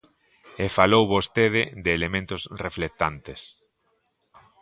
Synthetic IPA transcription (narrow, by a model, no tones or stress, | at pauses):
efalowβost̪eð̞ɪðeːlemẽnt̪ʊsreflek̚t̪ant̪es